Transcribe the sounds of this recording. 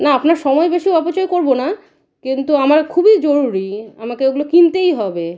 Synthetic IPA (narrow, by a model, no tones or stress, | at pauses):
naapnaɾʃɔmɔebeʃioapot͡ɕoekoɾbona | kint̪uamaɾkʰubid͡ʑoɾuɾiamakeeɡulokint̪ejɦɔbe